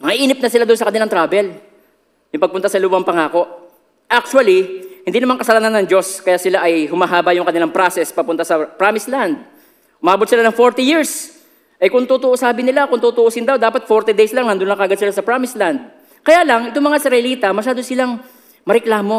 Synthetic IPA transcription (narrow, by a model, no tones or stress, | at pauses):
mɐŋɐʔiːnɪp̚nɐsɪlad̪onsɐkɐnɪlaŋt̪ɾaːbɛl | jʊmpɐɡ̚pʊnt̪asɐluːbɐŋpɐŋaːko̞ʔ | ʔak̚t͡ʃuɐlihɪnd̪inɐmaŋkɐsɐlaːnanːɐŋd͡ʒo̞skɐjaːsɪlaʔɐjhʊmɐɦaːbɐjʊŋkɐnɪlaŋpɾasɛspɐpʊnt̪asɐpɾamɪsland̪̚ | ʔʊmɐaːbot̪̚sɪlanɐŋfo̞ɹt̪ijiɹs | ʔɐjkʊŋt̪uːt̪ʊʔosaːbɪnɪlakʊŋt̪uːt̪ʊʔosɪnd̪awd̪aːpɐt̪̚foɾt̪id̪ejslaŋɐnd̪ʊnɐkɐɐɡɐd̪̚sɪlasɐpɾamɪsland̪̚ | kɐjaːlɐŋɪt̪oŋmɐŋaɪsɾɐɪliːt̪ɐmɐʃaːd̪osɪlaŋ | mɐɾɛklaːmo̞